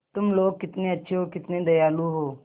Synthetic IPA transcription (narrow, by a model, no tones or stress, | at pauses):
t̪ʊmloːɡ̚kɪt̪nĩɐtːʃʰeɦoːkɪt̪nĩd̪ɐjaːluɦoː